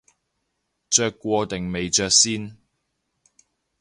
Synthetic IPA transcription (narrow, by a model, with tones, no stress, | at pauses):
t͡ʃœː˧kːʷɔː˧t̪e˨˩ŋme˨jt͡ʃœː˧k̚siː˥n